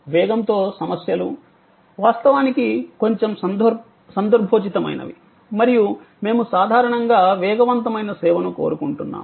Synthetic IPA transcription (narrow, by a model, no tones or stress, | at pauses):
ʋɛːɡɐnt̪o̞ːsɐmɐsjɐlu | ʋaːst̪ɐʋaːnikiko̞ɲt͡ʃe̞msɐnd̪ | sɐnd̪ɐɾbʱoːt͡ʃit̪ɐmɐ̰jnɐ̰ʋḭ | mɐɾiju | me̞ːmusaːd̪ʱaːɾɐɳɐŋɡaːʋɛːɡɐʋɐnt̪ɐmɐjnɐsɛːʋɐnuko̰ːɾukuɳʈunːa̰ːm